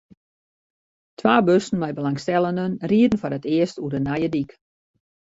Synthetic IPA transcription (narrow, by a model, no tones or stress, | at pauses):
tʰʋaːbøsn̩mɛjbəlaŋstɛlˠəndənriədən̩fɔɾətɪəstuədənajədik